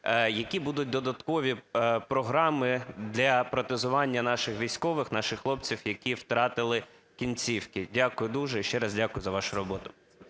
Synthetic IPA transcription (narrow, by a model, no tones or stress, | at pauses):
jɐkʲibud̪ʊt̚ʲd̪ɔd̪ɐt̪kɔʋʲipɾɔɦɾɑmɪd̪lʲɐpɾɔt̪ɪzʊʋɑnʲːɐnɑʃɪxʋʲijsʲkɔʋɪxnɑʃɪxxlˠɔp̚t͡sʲiwjɐkʲiwt̪ɾɑt̪ɪlˠɪ | kʲinʲt͡sʲiwkɪdʲakʊjʊd̪uʒɛiʃt͡ʃɛɾɑzdʲakʊjʊzɐʋɑʃʊɾɔbɔt̪ʊ